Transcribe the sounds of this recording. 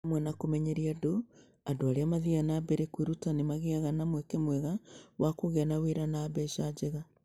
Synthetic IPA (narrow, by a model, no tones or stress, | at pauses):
mwɛnakomɛɲeɾiado | andoaɾeamaðianaːbɛɾekwiɾutanemaɣeaɣanamwɛkemwɛɣawakoɣeanaweɾanaːbɛʃad͡ʒeɣa